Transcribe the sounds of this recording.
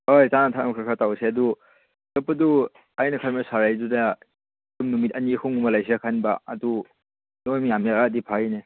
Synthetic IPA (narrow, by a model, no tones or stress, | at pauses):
ojsanatʰamkʰɯkʰatawseɐdu | tapːɐdu | ajnakʰajmasaɾajduda | tumnumitɐnikʰuŋumalajsekʰanbaɐ̰du | nomijamjaadipʰajne